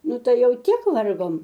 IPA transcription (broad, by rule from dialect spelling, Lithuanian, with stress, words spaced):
ˈnʊ ˈtɐɪ ˈjɛʊ ˈtʲiɛk ˈʋɐrɡoːm